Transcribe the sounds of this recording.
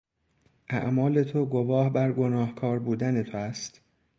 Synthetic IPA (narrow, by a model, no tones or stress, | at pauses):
ʔæ̰ʔmɒːle̞t̪ʰoɡo̞vɒːhbæɾɡo̞nɒːhkʰɒːɾbuːd̪ænet̪ʰoæst̪